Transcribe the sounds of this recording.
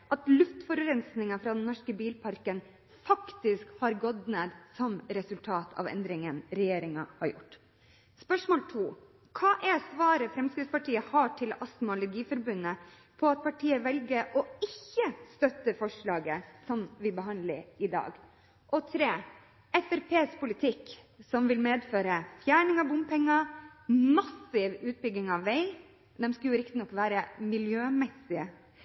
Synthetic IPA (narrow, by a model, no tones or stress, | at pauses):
ʔɑt̪lʉft̪fɔɾɾɛnsnɪŋɑfɾɑːd̪ɛnnːɔʂkəbiːlpʰɑɾkən | fɑkt̪ɪskhɑɾɡɔd̪neːd̪sɔmɾɛsʉlt̪ʰɑːt̪ʰɑ̰ʋɛ̰nd̪ɾɪŋənɾɛjeːɾɪŋɑhɑɾjʊ̰ʈː | spœʂmoːlt̪ʰuː | kʰɑːʔɛsʋɑːɾəfɾɛmskɾɪt̪spɑʈiːəhɑːʈʰɪlɑst̪mʊlʊɡiːfɔɾbʉnːə | pʰɔɑt̪̚pʰɑʈʰiːəʋɛlɡəɾʔɔɪçːəst̪œt̪ːəfɔʂɭɑːɡəsɔmʋɪbəɦɑnd̪lə̰ɾɪd̪ɑ̰ːɡ | ʔɔt̪ʰɾeː | ɛfæɾpʰeːspʊlɪt̪ʰɪk | sɔmʋɪlmeːd̪føːɾəfjæːɳɪŋɑʋbʊmpʰɛŋːɑmɑsɪʋʉːt̪̚bʏɡɪŋɑʋːɛɪ | d̪ɛmskɑljʊɾɪk̚t̪ɪnɔkːʋæːɾəmɪljøːmɛsɪə